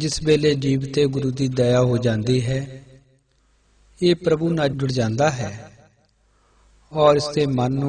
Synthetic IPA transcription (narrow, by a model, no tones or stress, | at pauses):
d͡ʒɪsbeːleːd͡ʒiːʋt̪eːɡʊɾuːd̪iːd̪əjaːɦoːd͡ʒãːnd̪iːɦɛː | eːpɾəbuːnaːd͡ʒʱʊɽd͡ʒãːnd̪aːɦɛː | ɔːɾɪst̪eːmənːũ